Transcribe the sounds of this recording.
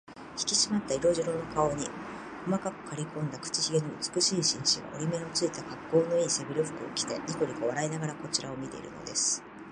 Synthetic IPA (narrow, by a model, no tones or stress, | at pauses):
çi̥kʲiɕimat̪ːaiɾo̞ʑiɾonokao̞ɲ̟ḭ | ko̞makakɯ̟̥kʰaɾʲikõ̞nd̪akɯ̥t͡ɕiçiɡe̞ɲiɯt͡sɨ̥kɯ̟ɕiːɕĩɰ̃ɕiɡa̰ʔo̞ɾʲime̞ot͡sɨit̪akakːo̞ːno̞isebʲiɾʲoɸɯ̟̥kɯ̟o̞̰kʲi̥t̪e̞̰ɲik̪oɾʲikoβaɾainaɡaɾako̞t͡ɕiɾao̞mʲit̪e̞̰ḭɾɯ̟̰no̞̰d̪e̞sɨ̥